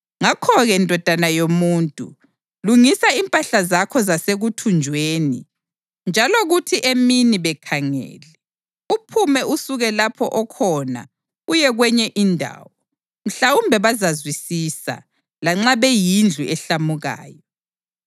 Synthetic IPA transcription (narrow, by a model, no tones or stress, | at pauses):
ŋakʰɔɣɛndʱɔd̥ʱanajomuːntʼṵ | luŋisaimpʼaɬazakʰɔzaseɣutʰund͡ʒʱweːni | nd͡ʒʱaloɣutʰiʔeminiβɛkʰaŋɛ̰ːlɛ | upʰumɛʔusuɣɛlapʰɔ̰ʔɔkʰɔna̰ | ujɛɣwɛɲɛʔindʱa̰ːwɔ | m̩ɬawumbʱɛβazazwisisa̰ | laŋ͡ǁaβejind͡ɮʱuɛɬamuɣa̰ːjɔ